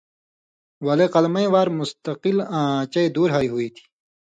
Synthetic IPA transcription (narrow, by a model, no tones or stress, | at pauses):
wɐleqɐlmɐĩwaːɾmʊst̪ɐqilãt͡ɕɐid̪uːɾɦaiɦuit̪ʰi̥ː